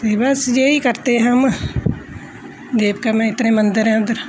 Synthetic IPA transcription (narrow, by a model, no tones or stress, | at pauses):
t̪eːbəsd͡ʒeːiːkəɾt̪eːɦəm | d̪eːb̚kamɛ̃ːɪt̪nẽːmənd̪əɾɛ̃ːnd̪əɾ